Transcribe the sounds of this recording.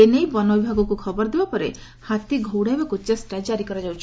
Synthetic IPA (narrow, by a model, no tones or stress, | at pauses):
enejbɔnɔbibʱaɡɔkukʰɔbɔɾd̪ebapɔɾe | hat̪iɡʱowɽabekut͡ʃasʈad͡ʒaɾikɔɾad͡ʒawt͡ʃʰi̥